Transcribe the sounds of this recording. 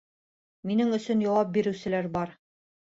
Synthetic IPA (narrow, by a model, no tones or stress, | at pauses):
minɘŋɵ̆sɵnjɑwɑp̚biɾɘ̆wsɘ̆læɾbɑɾ